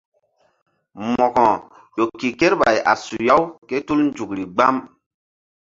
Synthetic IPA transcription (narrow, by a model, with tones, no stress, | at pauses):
mɔ˨kɔ̃˨ | jo˨kːi˨ke˦ɾɓa̰˨jʔa̰˨su˨ja˦wke˦tu˦lnd͡ʒu˨kɾi˨ɡ͡ba˦m